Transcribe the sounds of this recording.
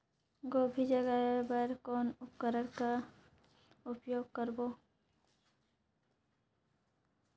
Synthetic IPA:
ɡoːbʱid͡ʒəɡaebəɾkɔːnʊpkəɾəɽka | ʊpjoːɡ̚kəɾboː

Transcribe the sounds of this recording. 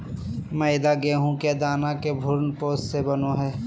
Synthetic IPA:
mɛ̃ːɪd̪aɡeɦũkad̪aːnakebʱʊɾnpoːssebɐnõɦɛː

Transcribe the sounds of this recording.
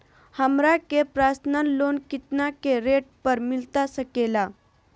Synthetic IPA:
həmɾakepɾasnənlonkit̪nakeɾeʈ̚pəɾmilt̪asəkela

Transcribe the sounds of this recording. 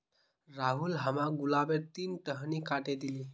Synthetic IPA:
ɾaɦulɦamaɡulabeɾt̪iːnʈəɦnikaʈed̪iliː

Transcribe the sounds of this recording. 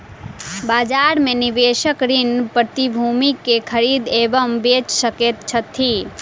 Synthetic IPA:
bad͡ʒaɾmenibeʃəkɾinpɾət̪ibʱumikːekʰəɾid̪ebəmbet͡ʃsəket̪t͡ʃʰət̪ʰi

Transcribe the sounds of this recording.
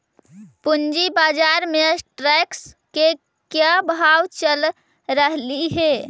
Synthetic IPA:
pund͡ʒibad͡ʒaɾmesʈɾɛks | ke | kjabʱawt͡ʃəl | ɾəɦliɦe

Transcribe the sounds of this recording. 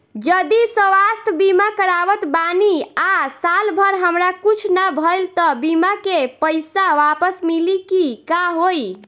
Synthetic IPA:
d͡ʒəd̪isəʋast̪ʰbimakəɾaʋət̪baniasalbʱəɾɦəmɾakut͡ʃʰnabʱəjlt̪ɔbimakepəjsaʋapəsmilikikaɦoj

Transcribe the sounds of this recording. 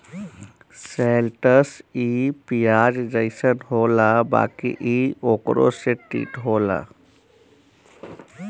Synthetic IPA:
selʈəsipiaːd͡ʒd͡ʒəɪsənɦolaba̰ːkḭʔioːkɾo̰seʈḭːʈɦoːla̰

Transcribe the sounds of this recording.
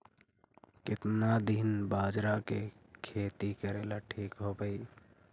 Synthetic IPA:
kɪt̪nad̪iːnbaːd͡ʒɾakekʰeːt̪ikəɾeːlaʈʰiːkɦoːpəi

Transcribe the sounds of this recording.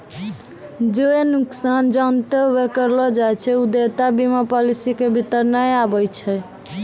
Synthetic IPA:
d͡ʒoenuksand͡ʒənt̪əwekəɾlɔd͡ʒajt͡ʃʰɛud̪et̪abimapɔlisikebʱit̪əɾnəjabəjt͡ʃʰɛ

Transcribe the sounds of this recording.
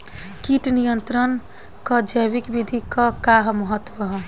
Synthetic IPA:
kiʈnijənt̪ɾən | kəd͡ʒəjʋikbid̪ʱikəkaɦməɦət̪ːwəɦ

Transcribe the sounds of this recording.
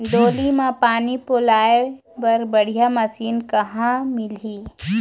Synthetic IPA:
d̪oːlimãpaːnipʊlaːe | pɐɾbɐɽ̤ijamɐsiːnkɐɦãmɪliː

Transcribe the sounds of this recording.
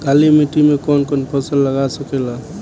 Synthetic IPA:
kalimiʈimekɔnkɔnpʰəsəlːəɡasəkela

